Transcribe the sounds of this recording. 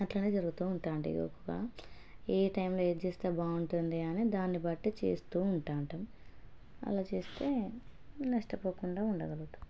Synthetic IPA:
ɐʈlɐneːd͡ʒɐɾuɡut̪uːɳʈaːɳʈḭɡo̰kːuɡa̰ː | eːʈɐjmloːed͡ʒeːst̪eːbaːuɳʈund̪iɐneːd̪aːnːibɐʈːit͡ʃḛːst̪uːuɳʈaːɳʈɐm | ɐ̰laːt͡ʃeːst̪e̞ː | nɐʂʈɐpoːkuɳɖaːuɳɖɐɡɐluut̪u̥

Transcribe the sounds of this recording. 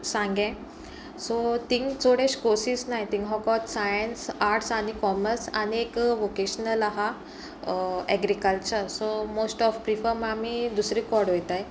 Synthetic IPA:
sãŋɡɛ̃ | sot̪ĩŋɡt͡sʰoɽeɕkosiːsnajt̪iŋɡɦɔkɔt̪sajənsaɾʈsaɽ̃ikɔməɾsaniekʋokeɕənəlaɦa | ɛɡɾikəlt͡ɕəɾsomosʈɔfpɾifəɾmamid̪usɾikɔɾɽɦojt̪aj

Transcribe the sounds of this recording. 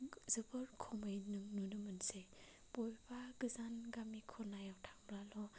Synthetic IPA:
zɯbɯɾkʰɔmɯjnɯŋnunɯmɯnse | bɔjbaɡɯzanɡamikʰɔnajawtʰaŋɾalɔ

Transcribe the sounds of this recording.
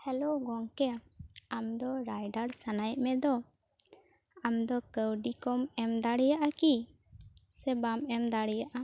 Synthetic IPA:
hɛloɡɔŋkɛamd̪ɔɾajɖaɾsanajʔmɛd̪ɔ | amd̪ɔkəwɖikɔmɛmd̪aɽɛjaʔaki | sɛbamɛmd̪aɽɛjaʔa

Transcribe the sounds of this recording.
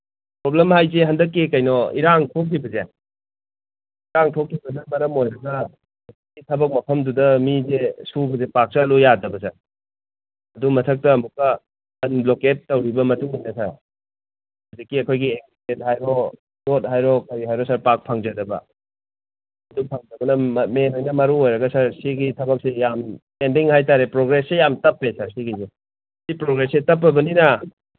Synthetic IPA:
pɾoblemɦajzeɦɐndɐk̬ːekɐjnɔḭɾaŋtʰok̚ʰːibɐze | iɾaŋtʰok̚ʰːibɐsemɐɾɐmojɾɐɡɐ | ɐskitʰɐbɐk̚mɐpʰɐmdudɐmizesubɐzepak̚salojadɐbɐsɐɾ | ɐdumɐtʰɐk̚tɐːmukɐ | ɐnbloketːɐwɾibɐmɐtuŋijnɐsɐɾ | adikːiɐkʰojɡiek̚sitet̚hajɾɔ | dot̚ɦajɾɔkɐɾiɦajɾɔsaɾpak̚pʰɐŋd͡ʒɐdɐbɐ̰ | ɐdupʰɐŋdɐbɐnɐmenojnɐmɐɾuojɾɐɡɐsɐɾsiɡitʰɐbɐk̚sejampendiŋhajtaɾepɾoɡɾesːejamtɐpːesaɾsiɡize | sipɾoɡɾesetɐp̬ːɐbɐninɐ

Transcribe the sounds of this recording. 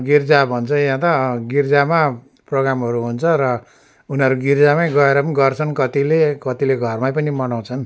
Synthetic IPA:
ɡird͡zabʱʌnt͡sʰʌjãt̪ʌɡird͡zama | proɡɾamɦʌɾuɦunt͡sʰʌɾʌ | unʌɾuɡird͡zamajɡʌeɾʌpʌniɡʌrt͡sʰʌnkʌt̪ilekʌt̪ileɡʱʌrmajpʌnimʌnaw̃t͡sʰʌn

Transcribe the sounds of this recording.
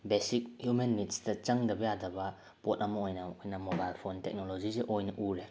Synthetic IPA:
besik̚hjumenːitsdɐt͡ʃɐŋdɐbɐjadɐbɐ | pot̚ɐmɐojnɐojnɐmobajlpʰontek̚nolod͡ʒizeʔojnɐʔuɾe

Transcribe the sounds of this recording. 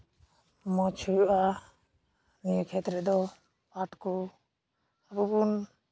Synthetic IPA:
mɔt͡ʃʰujuʔa | nijkʰɛt̪ɾɛd̪ɔ | paʈkɔ | abubun

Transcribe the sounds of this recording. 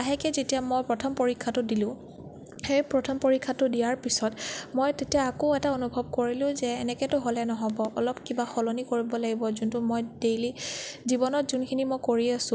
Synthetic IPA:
aɦɛkɛzetiamojpɹɔtʰɔmpoɹikʰːatʊdilʊ̃ | xeɹpɹɔtʰɔmpoɹikʰːatʊdijaɹpisɔtmojtetijaːkoɛtaonubʱɔb̚koɹilʊ̃zɛːnɛkɛtʊɦolɛnɔɦɔbɔʔɔlɔpkibaxɔlonikoɹibɔlaɡibɔzuntʊmojd̥ejlizibɔnɔtzunkʰinimojkoɹiasʊ̃

